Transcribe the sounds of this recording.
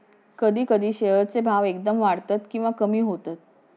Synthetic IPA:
kəd̪ʱiːkəd̪iːɕeɦət͡sebʱaʋek̚d̪əmʋaɽt̪at̪kĩw̃ʋakəmiːɦot̪at̪̚

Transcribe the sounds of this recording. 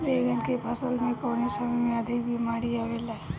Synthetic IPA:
beːɡənkepʰəsəlmẽkoːnesəmmẽəd̪ʱikbimaːɾiaːʋelae

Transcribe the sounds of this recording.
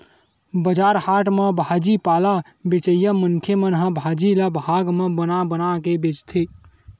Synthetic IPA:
bəd͡ʒaɾhaʈməbʱad͡ʒipala | bet͡ʃəjəmənkʰemənɦəbʱad͡ʒiləbʱɦaɡmebənabənakebet͡ʃt̪ʰi

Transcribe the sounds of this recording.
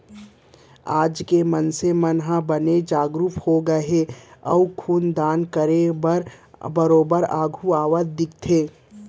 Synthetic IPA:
aːd͡ʒkemənsemənɦãbəned͡ʒaːɡɾuphoɡɐɦeɐ̰ukʰuːnd̪aːnkəɾebəɾbəɾoːbəɾaːɡʱuaːʋət̪d̪ɪk̚t̪ʰeː

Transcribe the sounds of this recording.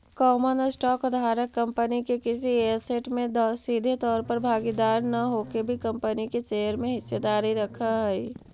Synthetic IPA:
kɔːmənəsʈɔːkd̪ʱaːɾəkːə̃mpənikekɪsieɾseʈmẽd̪sid̪ʱet̪ɔːɾpəɾbʱaːɡid̪aːɾnɐɦokebʱikə̃mpəniket͡ʃejəɾmẽɦɪsːed̪aːɾiɾəkʰaɦɛi

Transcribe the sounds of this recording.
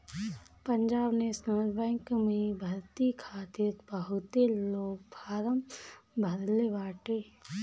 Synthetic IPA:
pəɲd͡ʒaːbnesnoːlbɛːŋkmẽbʱɐɾt̪ikʰaːt̪iɾbəɦʊt̪eloːɡ̚pʰaːɾəmbʱɐd̪leʋaːʈeː

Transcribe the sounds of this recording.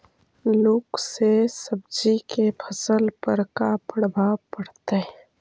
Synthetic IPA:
loːɡsesəb̚d͡ʒikepʰəsəlpəɾkapəɽbapəɽt̪eɦɛ̃

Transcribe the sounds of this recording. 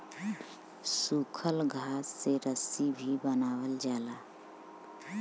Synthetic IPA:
suːkʰəlɡʱaːsːeɾəsibʱibənaːwəld͡ʒaːlaː

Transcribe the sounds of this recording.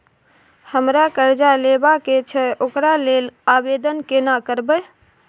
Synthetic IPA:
həmɾakəɾd͡ʒalebaket͡ʃʰɛʔokɾalelabed̪ənkenakəɾbə

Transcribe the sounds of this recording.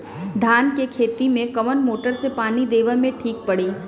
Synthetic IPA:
d̪ʱaːnkekʰeːt̪imẽkɐʋənmoːʈəɾsepaːnid̪eːʋəmẽʈʰiːk̚pɐɽiː

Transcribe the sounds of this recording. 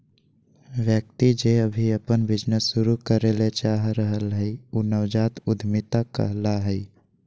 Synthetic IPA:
ʋjək̚t̪id͡ʒeəbʱiəpənbɪd͡ʒnəsːʊɾukəɾelet͡ʃaːɦɾəɦəlɦɛiuːnəʋd͡ʒaːt̪ʊd̪ʱmɪt̪akə̰ɦlaɦɛi

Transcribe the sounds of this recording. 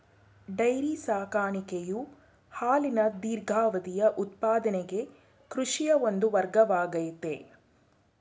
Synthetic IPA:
ɖɐjɾisaːkaːɳikeju | haːlinɐd̪iːɾɡʱaːʋɐd̪ijɐʔut̪paːd̪ɐneɡe | kɾuʂijɐond̪uʋɐɾɡɐʋaːɡɐjut̪e

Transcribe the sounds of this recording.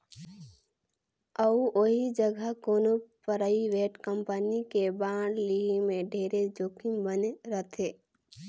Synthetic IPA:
əuʔoɦid͡ʒəɡʱəkoːnopəɾəiʋeːʈkəmpənikebãːɽliɦimẽɖʱeːɾed͡ʒoːkimbəneɾət̪ʰeː

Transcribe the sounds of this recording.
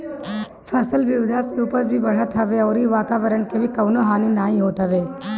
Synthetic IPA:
pʰɛsəlʋɪd̪ʱaseuːpəɾbʱibɐɽ̤ət̪ʰəʋeɔːɾiʋaːt̪aːʋəɾəɳkebʱikɐːnoɦaːninaːĩɦoːt̪aʋeː

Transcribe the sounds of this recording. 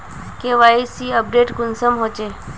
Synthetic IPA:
keʋaisiəp̚ɖeʈkʊnsəmɦot͡ʃe

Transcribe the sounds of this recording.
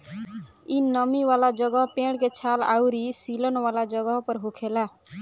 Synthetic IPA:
inʌmiwalad͡ʒʌɡəɦpeɽ̃ket͡ʃʰala̰wɾisilənwalad͡ʒʌɡəɦpəɾɦukʰela

